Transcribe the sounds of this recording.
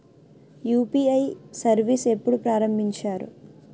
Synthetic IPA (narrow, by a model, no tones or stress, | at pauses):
juːpiːɐjsɐɾʋise̞pːuɽupɾaːɾɐmbʱiɲt͡ʃaːɾṵ